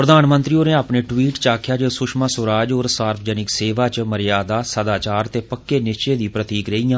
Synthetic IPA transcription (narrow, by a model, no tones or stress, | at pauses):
pɾəd̪aːnmənt̪ɾiːoːneːaːpneːʈwiːʈt͡ʃaːkʰjaːd͡ʒəsʊʃmãːsʊɾaːd͡ʒoːɾsaːɾpʰd͡ʒənɪkseːʋaːt͡ʃməɾɪjaːd̪aːsəd̪aːt͡ʃaːɾt̪eːpəkːeːnɪt͡ʃeːd̪iːpɾət̪iːkɾeːijãː